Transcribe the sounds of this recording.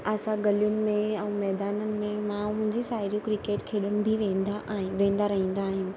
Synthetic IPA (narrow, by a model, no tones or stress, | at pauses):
ɐsãɡɐlijʊnɪ̆mẽɛ̃ːmɛːd̪aːnənɪ̆mẽmãmʊ̃ɦɪ̃ɲd͡ʑisaːɪɾijũkɾikeːʈkʰeːɗənɪ̆bʱiʋẽːnd̪aʋẽːn̆d̪aɾɐɦĩːn̆d̪aːɦɪnɪ̆